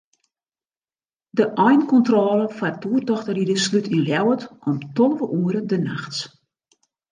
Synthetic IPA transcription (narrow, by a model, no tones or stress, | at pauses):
dəʔɔjnkɔntrɔːləfatuərdɔxtəridəslytʰinljɛwətʔɔmtɔlˠəʋəʔuəɾədənaxts